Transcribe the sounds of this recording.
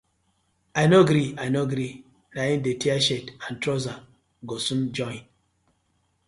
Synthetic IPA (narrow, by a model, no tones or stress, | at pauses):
anoɡɾianoɡɾi | lajindetiaʃetantɾoza | ɡɔsumd͡ʒɔin